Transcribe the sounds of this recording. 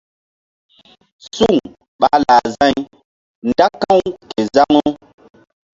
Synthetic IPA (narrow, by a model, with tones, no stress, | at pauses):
su˦˨ŋ | ɓa˦la˨zã˦˨j | nda˦kã˦˨wke˨za˦ŋo˦